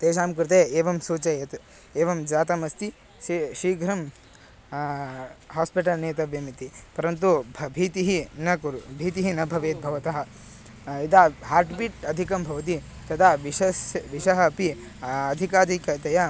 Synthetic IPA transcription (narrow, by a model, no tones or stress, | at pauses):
t̪eːʃaːmkuɾt̪̬eeːʋɐmsuːt͡ʃɐjet̪ | eːʋɐmd͡ʒaːt̪ɐmɐst̪i | ʃiːɡʱɾɐm | ɦaːspiʈɐlneːt̪ɐʋjɐmit̪ipɐɾɐnt̪ubʱbʱiːt̪iɦinɐkuɾubʱiːt̪iɦinɐbʱɐʋeːt̪̚bʱɐʋɐt̪ɐɦɐ̆ | it̪aɦaːɾʈpiʈɐd̪ʱikɐmbʱɐʋɐt̪̬i | t̪ɐt̪ʰaːʋiʃɐsʋiʃɐɦɐpi | ɐd̪ʱikaːd̪ʱikɐt̪ɐjɐ